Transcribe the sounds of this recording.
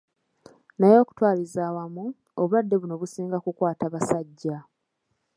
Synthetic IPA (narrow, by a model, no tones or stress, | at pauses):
najo̞ːku̥twaːlizaːwamu | oβuadːe̞βuno̞βusiːŋɡakukwaːtaβasaɟːa